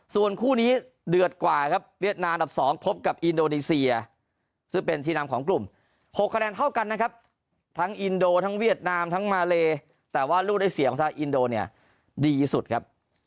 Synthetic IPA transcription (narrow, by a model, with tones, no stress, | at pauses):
su˨˩ənkʰuː˥˩niː˦˥ | dɯ˨˩ət̪̚kwaː˨˩kʰa˦˥p̚wi˥˩ət̪̚naː˧ma˧nda˨˩p̚sɔː˩˦ŋpʰo˦˥p̚ka˨˩p̚ʔi˧ndoː˧niː˧si˧ɐ˧ | sɯ˥˩ŋpe˧nt̪ʰiː˥˩naː˦˥mkʰɔː˩˦ŋklu˨˩m | pʰo˨˩kʰːa˧nɛː˧nt̪ʰa˥˩wka˧nːa˦˥kʰa˦˥p̚ | t̪ʰa˦˥ŋʔi˧ndoː˧t̪ʰa˦˥ŋwi˥˩ət̪̚naː˧mt̪ʰa˦˥ŋmaː˧leː˧ | t̪ɛː˨˩waː˥˩luː˥˩da˥˩jsi˨˩˦kʰɔ˩˦ŋt̪ʰa˧ŋʔi˧ndoː˧ni˥˩ɐ | diː˧su˨˩t̪̚kʰa˦˥p̚